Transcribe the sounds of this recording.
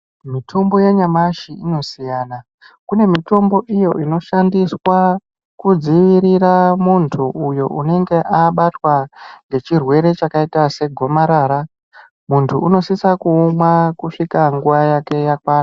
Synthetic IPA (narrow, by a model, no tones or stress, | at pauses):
mitʰo̞mbo̞jaɲamaʃiino̞sijaːna | kune̞mito̞mbo̞ʔijo̞ʔino̞ʃandiswa | kud͡ziʋiɾiɾamuntʰuːjo̞̰ʔune̞ŋɡe̞ʔaɓatwaŋɡe̞t͡ʃirwe̞ɾe̞t͡ʃakaitase̞ɡʱo̞maɾaːɾa | muntʰuːno̞sisakumwakuʂikaŋɡuʋajake̞jakwaːna